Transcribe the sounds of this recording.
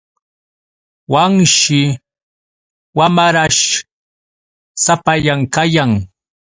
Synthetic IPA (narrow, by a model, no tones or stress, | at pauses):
waŋʃɪ | wamaɾaʃ | sapaʎaŋkajaŋ